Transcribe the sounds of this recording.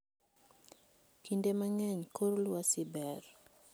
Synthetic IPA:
kindemaŋɛɲkoɾlwasibɛr

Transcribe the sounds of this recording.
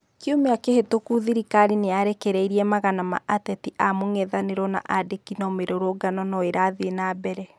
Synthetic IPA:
keomeakehetokuðiɾikaɾineaɾekeɾɛiɾiɛmaɣanama̰ʔatɛtiʔamoŋɛðaneɾɔna̰ʔadekinɔmeɾoɾoɡanɔnɔeɾaðenabɛɾɛ

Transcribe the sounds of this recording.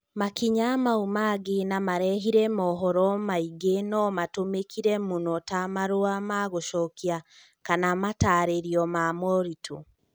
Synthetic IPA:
makiɲamaumaɡenamaɾɛɦiɾɛmɔɦɔɾɔmaiɡenɔmatomekʰiɾɛmonɔtamaɾoamaɣoʃɔkia | kanamataːɾeɾiɔmamɔɾitʰo̰

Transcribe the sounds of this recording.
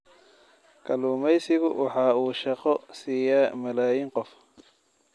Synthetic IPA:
kʰɐluːmɛjsɪɣʊwɑ̰ħɑːuːʃɑqɔsiːjaːmɐlaːjiːŋqɔf

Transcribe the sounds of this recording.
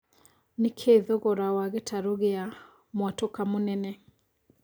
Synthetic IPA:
nekʰeðɔɣɔɾawaɣetʰaɾoɣea | mwatokamonɛnɛ

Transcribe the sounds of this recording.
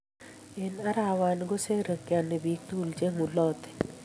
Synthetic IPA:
enɐɾaːʋaːnɡoseɾəkjaːnebiːk̚t̪uult͡ʃeɦũlɔːt̪e̥

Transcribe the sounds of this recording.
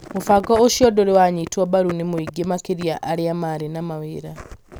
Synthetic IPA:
mufakɔoʃiɔdoɾewaɲitwɔbaɾunimuiɡemakiɾjaʔaɾeamaɾinamaweɾa

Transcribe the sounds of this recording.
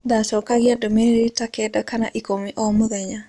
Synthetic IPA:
d̪asɔkaɣiadɔmeɾitakɛdakana̰ʔikomiʔɔmʊðɛɲa

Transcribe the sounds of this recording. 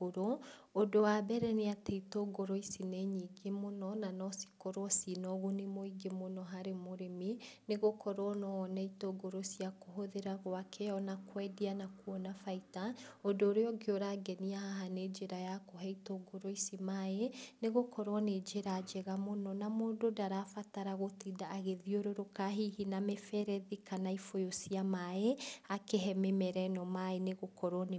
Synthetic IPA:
oɾo | odowabɛɾɛneatɛitoːɡoɾoisineɲiɡemonɔnanɔsi̥koɾwɔsinɔɣonemoiɡemonɔɦaɾemoɾemineɣokʰɔɾɔnɔnɛitoɡoɾosiakoɦoðeɾaɣwakʰɛɔnakwɛdianakuɔnafaitaodoːɾeɔɡeoɾaɡɛniahaɦaned͡ʒeɾajakoɦɛitoɡoɾoisimaeneɣokɔɾɔned͡ʒeɾaːd͡ʒeɣamonɔnamododaɾafataɾaɣotidaːɣeðioɾoɾokaɦihinamefɛɾɛðikanaifojosiamaeakeɦɛmemɛɾɛnɔmaeneɣokɔɾɔn

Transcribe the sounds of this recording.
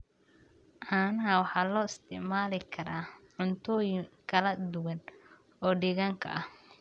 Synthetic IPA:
ʔaːnɐɦɐwɑħɑːlɔːɪst̪ʰɪʕmaːlɪkʰɐɾaːʕʊnt̪ʰɔːjɪŋkʰɐlɐd̪ʊwɐn | ɔːɖɪɣaːŋkʰɐ̰ʔɐh

